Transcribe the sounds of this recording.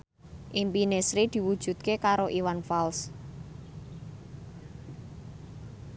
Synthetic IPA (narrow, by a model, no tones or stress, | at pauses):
ʔimpinesɾid̪̥i̤wud̥ʒ̥ṳd̪̚kekaɾoʔiwanfals